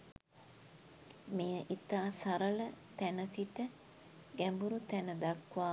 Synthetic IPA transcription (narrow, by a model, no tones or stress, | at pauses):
mejəʔit̪aːsaɾələt̪ænəsiʈə | ɡæmbuɾut̪ænəd̪ɐkʋaː